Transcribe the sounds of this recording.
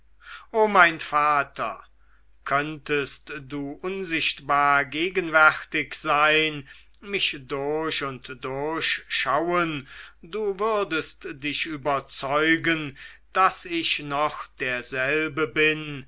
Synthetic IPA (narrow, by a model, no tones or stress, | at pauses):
ʔoːmaɪnfaːtʰɐ̰ | kʰœntʰəstd̥uːʔʊnzɪʃtb̥aːɐɡeːɡənvɛʁtɪkz̥aɪn | mɪʃd̥ʊɐʃʊntd̥ʊɐçʃawənduːvʏɐdəstd̥ɪʃʔyːbɐt͡sɔʏɡənd̥asɪçnɔχd̥eːɐzɛlbəbɪn